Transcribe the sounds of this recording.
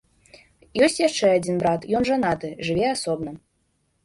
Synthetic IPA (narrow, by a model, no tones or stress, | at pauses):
jɔsʲtʲjaʂt͡ʂɛad͡zʲinbɾat̪jɔnʐanat̪ɨʐɨvʲɛasɔbnɐ